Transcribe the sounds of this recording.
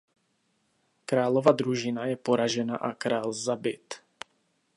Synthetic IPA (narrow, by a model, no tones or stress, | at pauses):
kɾaːlovad̪ɾuʒɪnajɛpoɾaʒɛnaʔakɾaːlzabɪt̪